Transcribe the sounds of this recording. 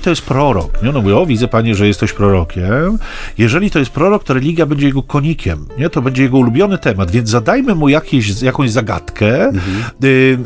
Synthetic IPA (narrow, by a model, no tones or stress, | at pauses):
t̪ɔjɛst̪̚pɾɔɾɔkɲɛɔnɔmuvʲiɔvʲid̪zɛpaɲɛʐɛjɛst̪ɛɕpɾɔɾɔkʲɛmjɛʐɛlʲit̪ɔjɛst̪̚pɾɔɾɔk̚t̪ɔɾɛlʲiɡʲjabɛɲd͡ʑɛjɛɡɔkʰɔɲikʲɛmɲɛt̪ɔbɛɲd͡ʑɛjɛɡɔulubʲjɔnɘt̪ɛmad̪vʲjɛnd̪zzad̪ajmɘmujakʲeɕzjakɔ̃w̃jzaɡa̰t̪kʰɛ